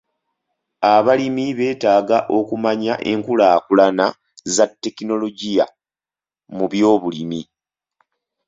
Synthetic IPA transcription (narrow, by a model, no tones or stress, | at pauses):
aβalimiβe̞ːtaːɡaʔo̞kumaɲaʔe̞ŋkulaːkulana | zatːe̞kino̞lo̞ɟija̰ | muβjo̞ːβulimi